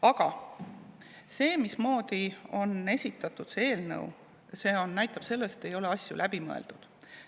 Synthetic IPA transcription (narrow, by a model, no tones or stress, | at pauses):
ɑɡ̥ɑ | se̞ːmismo̞ːd̪̥io̞ne̞sʲit̪ːˑɑt̪ːˑud̪̥see̞ːlnɤ̰w | se̞ːo̞nnæjt̪ːˑɑb̥se̞lːest̪ːe̞jo̞leɑsʲjulʔæb̥imɤ̰ḛld̪̥ud̪̥